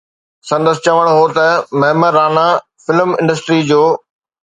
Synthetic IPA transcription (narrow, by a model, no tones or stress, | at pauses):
sɐ̃nd̪əsɪ̆t͡ɕɐʋəɽ̃ɦoːt̪ɐmɐɦməɾaːna | fɪlmɪ̃ɳɖəsʈɾid͡ʑoː